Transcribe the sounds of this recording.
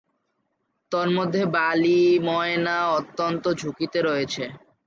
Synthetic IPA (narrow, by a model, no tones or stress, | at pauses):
t̪oɾmod̪ʱːebalimɔenaɔt̪ːont̪od͡ʑʱukit̪eɾoet͡ɕʰe